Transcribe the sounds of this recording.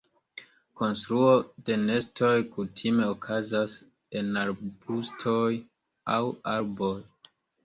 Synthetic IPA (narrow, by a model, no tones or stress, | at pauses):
ko̞nstɾuo̞de̞ne̞sto̞jkutʰime̞okʰazas | e̞naɾbustʰo̞j | awaɾbo̞j